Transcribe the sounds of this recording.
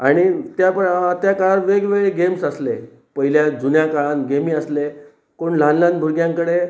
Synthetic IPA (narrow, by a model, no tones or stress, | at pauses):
aɽ̃it̪japəɳt̪jakaɭanʋeɡʋeɭeɡemsəsle | pəɦiljad͡zunjakaɭanɡemiːəsle | koɳlãnlãnbʱuɾɡjãŋkəɽe